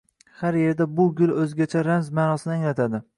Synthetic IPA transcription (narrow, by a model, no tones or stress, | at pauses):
haɾje̞ɾd̪abʊɡʲʊlˠɵzɡʲat͡ʃʰaɾamzmaːnɒsɪnɪaŋlat̪ʰad̪ɪ